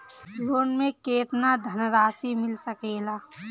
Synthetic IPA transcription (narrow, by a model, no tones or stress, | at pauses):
loːnmẽkeːt̪nad̪ʱənɾaːsimɪlsəkeːlaː